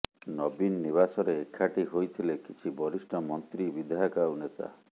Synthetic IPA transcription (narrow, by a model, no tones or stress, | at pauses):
nɔbinːiβasɔɾeːkʰːaʈiɦojt̪ʰilekit͡ʃʰibɔɾisʈʰɔmɔnt̪ɾibid̪ʱaɔkaunet̪a̰